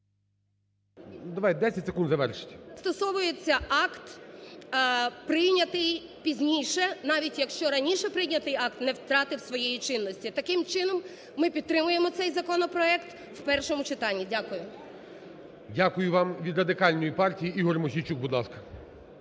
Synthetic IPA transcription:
d̪ɐʋaj̚ʲd̪ɛsʲɐtʲse̥kund̪zɐʋɛrʃɪ̥tʲɐ̥st̪ɔsɔʋʊjet͡sʲːɐɑkt̪ | pɾɪjnʲɐt̪ɪj | pʲizʲnʲijʃɛnɑʋʲitʲjɐkʃt͡ʃɔɾɐnʲiʃɛpɾɪjnʲɐt̪ɪjɑk̚t̪nɛwt̪ɾɑt̪ɪwsʋɔjɛjit͡ʃɪnːɔsʲtʲit̪ɐkɪmt͡ʃɪnɔmː | ɪpʲid̪̚t̪ɾɪmʊjemɔt̪sɛjzɐkɔnɔpɾɔɛkt̪ | wpɛrʃɔmʊt͡ʃɪt̪ɑnʲːidʲakʊjʊ | dʲakʊjʊʋɑmʋʲid̪ɾɐd̪ɪkɑlʲnɔjipɑrtʲijiʔiɦɔrmʊxʲit͡ʃuk̚bud̪lˠɑskɐ̥

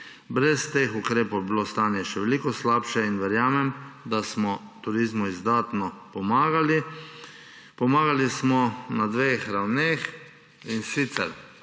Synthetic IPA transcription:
bɾɛst̪exukɾeːpowjɛbilost̪aːnjɛʃɛʋɛlikɔslaːpʃɛinʋɛɾjaːmɛmd̪asmɔt̪uɾizmuizd̪aːt̪nɔpɔmaːɡali | pɔmaːɡalismɔnad̪ʋexɾawnex | insit̪sɛ̰ɾ

